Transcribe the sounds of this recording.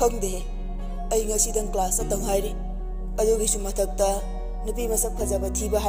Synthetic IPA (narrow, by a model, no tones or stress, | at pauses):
ɐŋdee | ɐjŋɐsidɐŋklasɐtɐŋɦajɾi | ɐduɡisumɐtʰɐk̚tɐ | nupimɐsɐp̚kʰɐzabɐtʰibɐɦa